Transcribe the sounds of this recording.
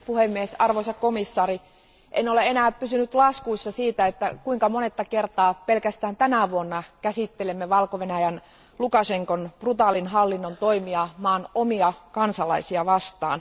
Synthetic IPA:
puhemːiesɑrʋosɑkkomisːɑːri | ʔenoleenæːppysynyt̪lɑskuisːɑsiːt̪æet̪ːækuiŋkɑmonet̪ːɑkert̪ɑːpelkæst̪æːnt̪ænæʋuonːɑkæsit̪ːelemːeʋɑlkoʋenæjæn | lukɑseŋkonprut̪ɑlinɦɑlːinːont̪oimiɑmɑːnomiɑkɑnsɑlɑisiɑʋɑst̪ɑ̰ːn

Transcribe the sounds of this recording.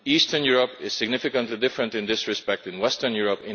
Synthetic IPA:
ist̪ənjuɹɔpɪssɪɡnɪfɪkə̃ntlid̪ɪfɹɛ̃ntɪ̃nd̪ɪsɹɪspɛk̚t̪ɪ̃nwɛst̪əɹnjuɹɔpɪ̃

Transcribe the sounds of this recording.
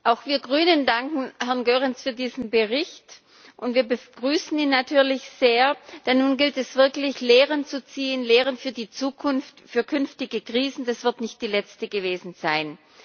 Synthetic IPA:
ʔaʊxv̥iːɐɡʁyːnəndaŋkŋ̩hɛɐnɡøːʁɪnsfyːɐdiːzn̩bəʁɪçt | ʔʊntv̥iːɐbəɡ̥ʁyːsn̩iːnːatʰyːɐlɪçz̥eːɐd̥ɛnːuːnɡɪltɛsv̥ɪɐklɪçleːʁənt͡sut͡siːənleːʁ̞ənfyːɐdiːt͡suːkʰʊnftfyːɐkʰʏnftɪɡəkʁ̥iːzn̩dasv̥ɪɐtnɪçt̚d̥iːlɛt͡stəɡəveːzn̩z̥aɪn

